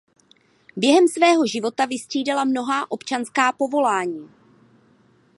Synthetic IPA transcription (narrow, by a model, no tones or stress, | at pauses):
bjɛɦɛmsvɛːɦo̞ʒɪvo̞t̪avɪst̪r̝̥iːdɛlamno̞ɦaːʔo̞pt͡ʃanskaːpo̞vo̞laːɲiː